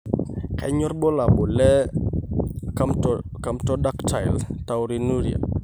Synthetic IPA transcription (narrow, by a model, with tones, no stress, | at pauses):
ka̰˨ɲɔ˦ɾbɔ˦la˨bʊ˨lɛ˦ | kamtɔ˦da˦ktʰa˨jlta˨wɾinu˦ɾia̰˨